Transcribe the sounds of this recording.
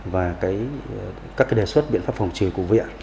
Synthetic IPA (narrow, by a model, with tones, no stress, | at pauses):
vaː˨˩kaː˨˦j | kaː˦˥k̚a˨˦ɗe˨˩swə˦˥t̚ɓḭ˧ənfaː˦˥p̚fa˨˩wŋ͡mt͡ɕɨ˨˩əku˧˩əvʔa̰ː˧˨